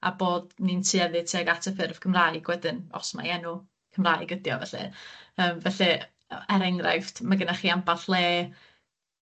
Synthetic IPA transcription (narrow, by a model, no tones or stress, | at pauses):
a̰boːd̥nintʰɨɛðɨtʰiaɡatʰəfɪrv̥kʰəmraːɨɡ̥wɛdɨnɔ̰sma̰jɛnʊ | kʰəmraːɨɡədjɔvɛ̰ɬɛ̰əːmvɛɬɛ | ɛɾɛŋra̰jftmaɡənaχiːampaɬlˠeː